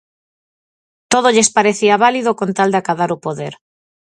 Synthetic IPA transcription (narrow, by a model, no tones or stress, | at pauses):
t̪oðoʎespaɾeθiaβaliðokont̪ald̪akaðaɾopoðeɾ